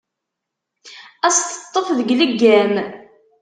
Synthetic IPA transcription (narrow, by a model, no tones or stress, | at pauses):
æst̪ə̥t̪ˤːofðəɡləɡːæm